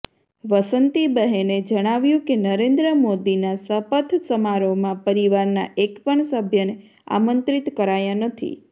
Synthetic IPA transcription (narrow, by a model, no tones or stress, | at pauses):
ʋəsənt̪ibəɦened͡ʒəɽ̃aʋjũkenəɾẽnd̪ɾəmod̪inasəpət̪ʰsəmaɾomãpəɾiʋaɾna̰ʔekpəɳsəbʱjəne | a̰mə̃nt̪ɾit̪kəɾajanət̪ʰḭ